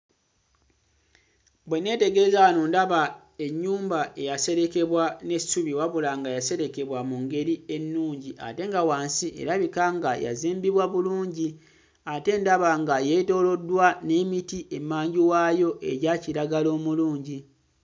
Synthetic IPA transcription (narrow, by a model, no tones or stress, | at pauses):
bwe̞ne̞ːte̞ɡe̞ːzanondaβa | e̞ɲːuːmbae̞jase̞ɾe̞ke̞βwane̞suβiwaβulaŋɡajase̞ɾe̞ke̞βwamuŋɡe̞ɾie̞nːuːɲɟiʔa̰te̞ŋɡawaːnsiʔe̞̰ɾaβikaŋɡaja̰ziːmbiβwaβuluːɲɟi | ate̞ndaβaŋɡajeto̞ːlo̞dːwane̞ːmitiʔe̞mːaːɲɟiwajo̞ʔe̞̰ɟaciɾaɡalo̞ːmuluːɲɟi